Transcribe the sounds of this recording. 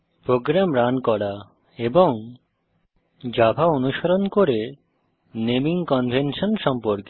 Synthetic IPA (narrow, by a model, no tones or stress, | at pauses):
pɾoɡɾamɾankɔɽa | eboŋ | d͡ʑabʱaonuʃaɾonkoɾe | nemiŋkɔnbʱenʃonʃɔmpoɾke